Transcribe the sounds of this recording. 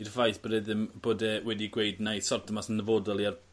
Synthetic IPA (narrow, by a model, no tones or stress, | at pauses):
irvajθb̥odɛðɪmb̥oːdɛwɛdiɡwejdnajsɔrtʰɔmasənəvoːdɔlˠiar